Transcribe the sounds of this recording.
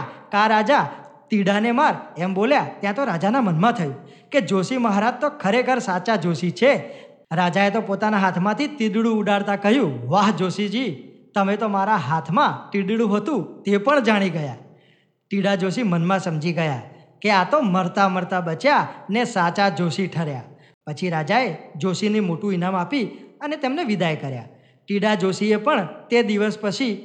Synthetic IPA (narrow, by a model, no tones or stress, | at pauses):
kaɾad͡ʒat̪iɽanemaɾɛmboljat̪jãt̪oɾad͡ʒanamənmãt̪ʰəjũ | ked͡ʒosiməɦaɾad͡ʒt̪okʰəɾekʰəɾsat͡ʃad͡ʒosit͡ʃʰe | ɾad͡ʒaet̪opot̪anaɦat̪ʰmãt̪ʰit̪id̪ɽũːɖaɽt̪akəɦjũʋaɦd͡ʒosid͡ʒit̪əmet̪omaɾaɦat̪ʰmãʈiɖɽũɦət̪ũt̪epəɳd͡ʒaɽ̃iɡəja | ʈiɽad͡ʒos̬imənmãsəmd͡ʒiɡəja | keat̪oməɾt̪aməɾt̪abət͡ʃjanesat͡ʃad͡ʒosiʈʰəɾja | pət͡ʃʰiɾad͡ʒaed͡ʒosinimoʈũinamapiənet̪emneʋid̪ajkəɾja̰ | ʈiɽad͡ʒosiepəɳt̪ed̪iʋəspət͡ʃʰi